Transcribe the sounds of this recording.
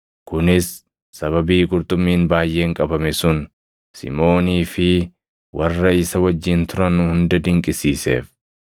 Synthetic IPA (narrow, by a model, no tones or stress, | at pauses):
kʊnɪsː | ɐβɐbiːɡʊɾt̪ʼʊmːiːnbaːjʔe̞ːŋkʼɐbɐmɛsʊn | sɪ̰mo̞ːniːfɪ | wʔɐrːɐɪsɐwɐd͡ʒːɪnt̪ʊɾɐnʊhʊnd̪ɐd̪ɪŋkʼɪsiːsḛːf